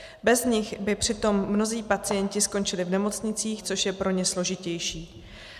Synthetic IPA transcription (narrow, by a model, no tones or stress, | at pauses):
bɛzɲɪxbɪpr̝̥ɪt̪o̞mːno̞ziːpat͡sɪjɛncɪsko̞nt͡ʃɪlɪvnɛmo̞t͡sɲɪt͡siːxt͡so̞ʃjɛpɾo̞ɲɛslo̞ʒɪcɛjʃiː